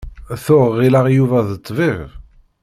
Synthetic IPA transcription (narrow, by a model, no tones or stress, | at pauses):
θʊʁːilæʁjuvæðət̪ˤːviʁ